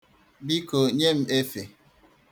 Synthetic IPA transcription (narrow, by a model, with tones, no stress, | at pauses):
bi˦ko˨ɲe˦m̩˦e˦fe˨